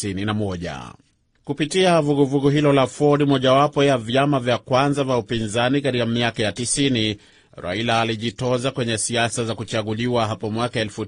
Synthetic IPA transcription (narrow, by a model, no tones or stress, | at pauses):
ininamɔʄa̰ | kupitiavuɡuvuɠuɦilɔlafɔɾimɔʄawapɔjavjamavjakwanzavaupinzanikatikamiakajatisini | ɾa̰ilaːliʄitɔzakwɛɲɛsiasazakut͡ʃaɠuliwaɦapɔmwakaɛlfu